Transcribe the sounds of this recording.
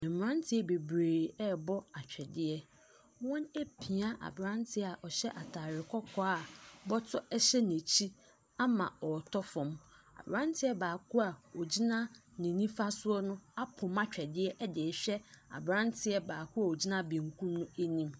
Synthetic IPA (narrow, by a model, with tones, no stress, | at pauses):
ɛ̃˨m̩˨ɾã˦n˦tʰɪ˦ɛ˦be˨bɾeː˨ɾi˨ɛ˦bɔ˦a˨t͡ɕᶣɛ˨dɪ˦ɛ˦ | wɔ̃˦ne˦pʰi˨a˦ʔa̰˨bɾã˦ntʰɪ˦a˨ʔɔ˨ɕɛ˦ʔa˨tʰaː˨ɾɪ˨kʰɔ˦kʰɔ˦a˦˨bɔ˦tʰɔ˦ʔɛ˦ɕɛ˦ne˨t͡ɕʰi˦ | a˦mã˨ɔ˨tʰɔ˦fɔ̃˨m | a̰˨bɾã˦ntʰɪ˦ɛ˦baː˨kʰʊ˦a˨o˨d͡ʑi˦nã˦nĩ˨nĩ˦fa˦sʊ˦ɔ˦nʊ̃˦a˦pʰʊ̃˨mã˦t͡ɕᶣɛ˨dɪ˦ɛ˦ʔɛ˦dɪ˨ɕᶣɛ˦a̰˨bɾã˦ntʰɪ˨ɛ˦baː˨kʰu˦a˨o˨d͡ʑi˦nã˦bĩ˨ŋ˨kʰũ˦mnʊ̃˦e˦nĩ˦m